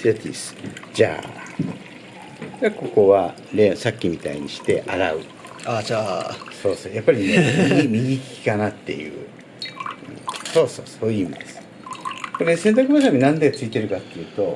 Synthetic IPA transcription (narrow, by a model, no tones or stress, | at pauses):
ot̪ʲḭsɨ̥d͡ʑa̰ː | dako̞ko̞βa | ɾesakʲːimʲit̪aḭɲ̟iɕi̥t̪e̞ʔaɾaɯ̟ | aːd͡ʑaːso̞ːso̞ːjapːaɾʲineiimʲiɡʲikʲi̥kanat̪ːe̞̰jɯ̰ː | ɯ̰̃so̞ːso̞ːsoːjɯ̟imʲid̪e̞sɨ̥ | ko̞ɾe̞sent̪ak̬ɯ̟βas̬amʲinãnd̪eɡat͡sɨit̪e̞ɾɯ̟kat̪ːejɯ̟ːt̪o̞